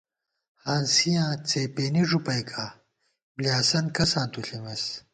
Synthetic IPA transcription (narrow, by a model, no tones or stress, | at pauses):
haːnsijãːt͡seːpeːniʐupɐjkʰaː | bljaːsɐnkɐsãːt̪uɬimɐs